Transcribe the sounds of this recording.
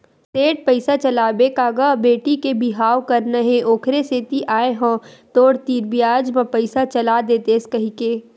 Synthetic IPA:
seːʈ̚pəɪsat͡ʃɐlaːbeːkaːɡabeːʈikebʱɪɦaːwkɐɾnɐɦẽoːkʰɾeseːt̪iʔaːeɦõːt̪oːɽt̪iːɾbijaːd͡ʒmãpɐɪsat͡ʃɐlad̪eːt̪eːskɐɦikeː

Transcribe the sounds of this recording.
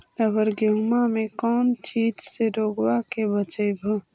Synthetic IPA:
əbəɾɡumamekɔːnt͡ʃiːd͡ʒseɾoːɡwakebət͡ʃəbʱo

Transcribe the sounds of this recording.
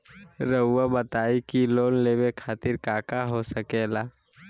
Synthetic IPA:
ɾəʊːabət̪aːikiloːnleːbekʰaːt̪ɪɾkaːkaɦosəkelaː

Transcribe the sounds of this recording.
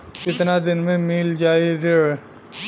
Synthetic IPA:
ɪt̪nad̪ɪnmẽmiːld͡ʒaːiɾe

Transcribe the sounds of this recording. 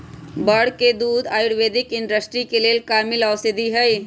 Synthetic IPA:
bəɽked̪uːd̪aːjʊɽʋeːd̪ɪkɪ̃nɖəsʈɾikeleːlkaːmɪlawsɪd̪iɦɛj

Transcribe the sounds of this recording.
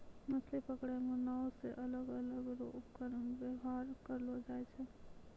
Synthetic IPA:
məslepəkɽemẽnɔʋseʔɐləɡələɡɾokəɾnʋeɦaːɾkəɾlod͡ʒaːet͡ʃʰe

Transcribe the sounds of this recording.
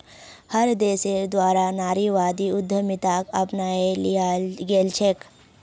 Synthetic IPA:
həɾd̪eːseɾd̪waːɾanaːɾiʋaːd̪iʊd̪ʱːəmɪt̪aːkɐpnaːe | ɡeːlt͡ʃʰek

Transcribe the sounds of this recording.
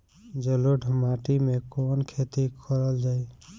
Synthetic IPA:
d͡ʒeloɖʱəmaʈimekonkʰet̪ikʰəɾəld͡ʒaj

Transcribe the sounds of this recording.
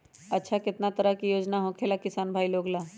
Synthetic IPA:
ɐtːʃʰakɪt̪nat̪əɾəɦkijoːd͡ʒnaɦõkʰeːlakɪsaːnbʱaːiloːɡlaː

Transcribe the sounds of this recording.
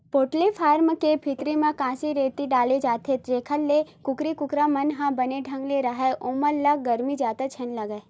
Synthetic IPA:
poːʈlepʰaːɾmkepʰit̪ɾimẽkãːsiɾeːt̪iɖaːled͡ʒaːt̪ʰet̪ɾeːkʰəlːekʊkɾikʊkɾamɐnɦãbɐneɖʱɐ̃ŋɡleɾɐɦeʔõːməɾlɐɡɐɾmid͡ʒaːt̪at͡ʃʰɐnlɐɡə

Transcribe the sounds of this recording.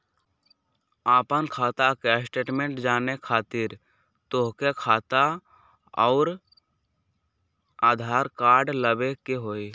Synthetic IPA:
aːpənkʰaːt̪akesʈeːʈmẽɳʈd͡ʒaːnekʰaːt̪ɪɾ | t̪oɦkekʰaːt̪a | ɔːɾ | aːd̪ʱaːɾkaːɾɖləbekeɦoːi

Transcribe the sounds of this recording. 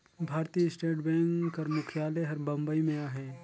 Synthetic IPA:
bʱaːɾt̪iːɪsʈeːʈbɛ̃ːŋkkːɐɾmʊkʰjaːleɦɐɾbɐ̃mbəimẽaːɦɛː

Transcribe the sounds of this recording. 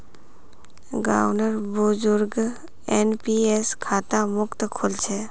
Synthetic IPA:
ɡa̰ːʋnəɾbʊd͡ʒʊɾɡ | enpieskʰaːt̪amʊkt̪kʰʊlt͡ʃʰe

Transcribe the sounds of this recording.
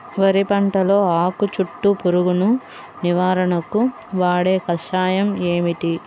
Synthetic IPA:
ʋɐɾipɐɳʈɐlo̞ːaːkut͡ʃuʈːupuɾuɡunu | niʋaːɾɐɳɐku | ʋaːɽe̞ːkɐʃaːjɐmeːmiʈi

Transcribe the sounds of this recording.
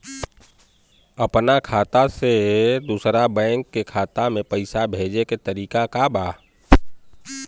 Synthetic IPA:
əpnakʰaːt̪ased̪uːsɾabɛ̃ɪŋkːekʰaːt̪amẽpəɪsabʱeːd͡ʒeket̪əɾiːkakabaː

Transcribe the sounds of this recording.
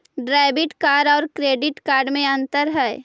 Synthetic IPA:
ɖɾaːɪbɪʈkaːɖɔːɾkɾeːɖɪʈkaːɾɖmẽɐ̃nt̪əɾɦɛː

